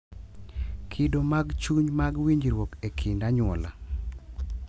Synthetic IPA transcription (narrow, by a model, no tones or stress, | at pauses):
kʰidomaɡt͡ʃuɲmaɡwiɲd͡ʒɾwokekʰɪndaɲwɔla̰